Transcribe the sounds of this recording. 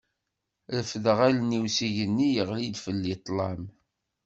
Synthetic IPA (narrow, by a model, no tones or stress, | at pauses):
ðəfðʁælniwsiʝənːijəʁlid̪fəlːit̪ˤlɑm